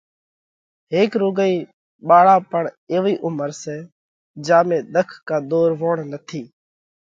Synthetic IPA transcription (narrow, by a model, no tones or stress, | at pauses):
ɦeːkɾoːɡəiː | ɓaːɭaːpəɳ | eːʋiːʔʊməɾsɛː | d͡ʒaːmẽːɗ̪əkʰkaːɗ̪oːɾʋoːɳnət̪ʰiː